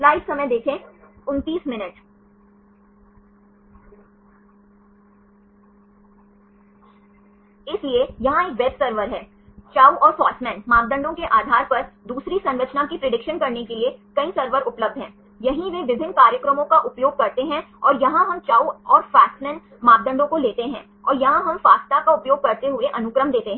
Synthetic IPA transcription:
laːɪʋsɐməjd̪eːkʰẽʊnt̪iːsmɪnəʈ | ɪsliejɐɦãeːk̚ʋɛbsɐɾʋəɾɦɛː | t͡ʃaːuʔɔːɾfaːsmɛ̃ːnmaːɡd̪ə̃ɳɖõkeʔaːd̪ʱaːɾpɐɾd̪uːsɾisɐ̃nɾət͡ʃnakipɾɐɖɪkʃənkɐɾnekeliekɐisɐɾʋəɾʊpləb̚d̪ʱɦɛ̃ː | jɐɦĩʋeʋɪbʱɪ̃nkaːɾjəkɾəmõkaʔʊpjoːɡ̚kɐɾt̪eɦɛ̃ɔːɾjɐɦãɦɐmt͡ʃaːuɔːɾfaːssmɛ̃ːn | maːp̚d̪ə̃ɳɖõkoleːt̪eɦɛ̃ː | ɔːɾjɐɦãɦɐmfaːst̪akaʊpjoːɡ̚kɐɾt̪eɦʊeʔɐnʊkɾəmd̪eːt̪eɦɛ̃ː

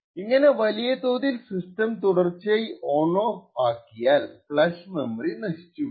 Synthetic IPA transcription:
iŋːɐne̞ʋɐlijɐt̪oːðilsistɐmt̪uɽɐrt͡ɕːijɐjoːɳoːaːkːijaːlpɭɐsmembrinɐʂi̥t͡ɕːu

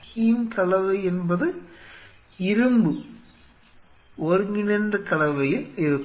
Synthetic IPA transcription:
hijmkɐlɐʋɐɪɛnbɐðɯ | ɪɾɯmbɯ | ɔɾɯŋɡɪnɐndɐkɐlɐʋɐjɪlɪɾɯkː

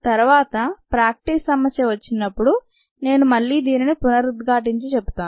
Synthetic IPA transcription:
t̪ɐɾuʋaːt̪ɐpɾaːk̚ʈissɐmɐsjɐʋɐt͡ʃːinːɐpːuɽu | ne̞ːnumɐɭːiːd̪iːninipunɐɾud̪ɡaːʈ̬iɲt͡ʃit͡ʃepːu̥t̪aːn

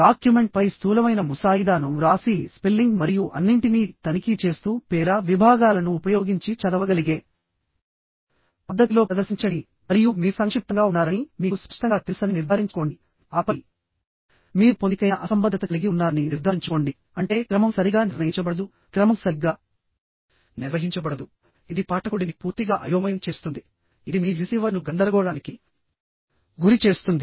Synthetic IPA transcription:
ɖaːkjume̞ɳʈ̚pɐjst̪ʰuːlɐmɐjnɐmusaːjid̪aːnuɾaːsispelːiŋɡmɐɾijuʔɐnːiɳʈiniːt̪ɐnikit͡ʃe̞ːst̪uːpɛːɾaʋibʱaːɡaːlɐnuːpɐjo̞ːɡiɲt͡ʃit͡ʃɐd̪ɐʋɐɡɐliɡeː | pɐd̪ːɐt̪ilo̞ːpɾɐd̪ɐɾsiɲt͡ʃɐɽi | mɐɾijumiːsɐŋkʂip̚t̪ɐŋɡaːunːaːɾɐnimiːkuspɐʂʈɐŋɡaːt̪iɾsɐniniɾd̪ʱaːɾiɲt͡ʃɐ̥koːɳɖi | aːpɐ | miːɾupod̪ikɐjnɐʔɐsɐmbɐd̪ʱːɐt̪ɐkɐliɡiunːaːɾɐniniɾd̪ʱaːiɲt͡ʃuko̞ːɳɖi | ɐɳʈe̞ːkɾɐmɐmsɐɾiɡaːniɾnɐjiɲt͡ʃɐbɐɽɐd̪u | kɾɐmɐmsɐɾiɡaː | niɾʋɐɦiɲt͡ʃɐbɐɽɐd̪u | id̪ipaːʈɐkoɽinipuːɾt̪iɡaːʔɐ̰jɐːmɐjɐmt͡ʃe̞ːst̪und̪i | id̪imiːɾisiːʋɐɾnuɡɐnd̪ɐɾɐɡɔːɽaːniki | ɡuɾit͡ʃe̞ːst̪und̪i

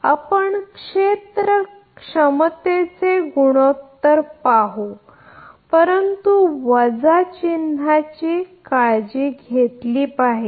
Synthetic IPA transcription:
apəɳkʂet̪ɾə | kʂəmt̪et͡seɡuɽ̃ot̪ːəɾpaɦo | pəɾənt̪uʋəd͡zat͡ɕin̤at͡ɕikaɭd͡ʑiːɡʱet̪liːpaɦe

